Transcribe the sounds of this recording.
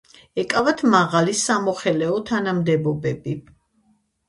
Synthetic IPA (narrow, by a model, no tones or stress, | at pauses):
ɛkʼavat̪ʰmaʁalisamɔχɛlɛɔt̪ʰanamd̪ɛbɔbɛbi